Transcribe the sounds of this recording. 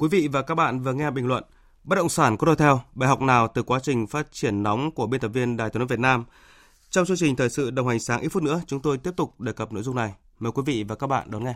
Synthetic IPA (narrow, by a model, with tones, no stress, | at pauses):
kwi˨˦vḭ˧˨vaː˨˩kaː˦˥k̚ɓa̰ː˧˨nvɨː˨˩əŋɛ˧˨˩ɓi˨˩ŋ̟lwə̰˧˨n | ɓə˦˥t̚ɗə̰˧˨wŋ͡msaː˧˩nkɔ˨˦ɗɔ˧jt̪ʰɛ˧wɓaː˨˧˩jɦa˨˩wk͡p̚naː˨˩wt̪ɨ˨˩kwaː˨˦t͡ɕï˨˩ŋ̟faː˦˥t̚t͡ɕi˧˩ənːɔ˨˦wŋ͡mku˧˩əɓi˧nt̪ə˨˩mvi˧ənɗaː˨jt̪ʰːvt̚naː˧m | t͡ɕɔ˧wŋ͡mt͡ɕɨ˧əŋt͡ɕï˨˩ŋ̟t̪ʰəː˨˩jsɨ̰˧˨ɗə˨˩wha˨˩ŋ̟saː˨˦ŋʔi˦˥fʊ˦˥nɨ˧˥ət͡ɕʊ˨˦ŋ͡mt̪o˧jt̪i˦˥əp̚t̪ʊ˨˩k͡p̚ɗeː˨˩kə˨˩p̚no̰˧˨jzʊ˧ŋ͡mna˨˩j | məː˨˩jkwi˨˦vḭ˧˨vaː˨˩kaː˦˥k̚ɓa̰ː˧˨ɗɔ˨˦nŋɛ˧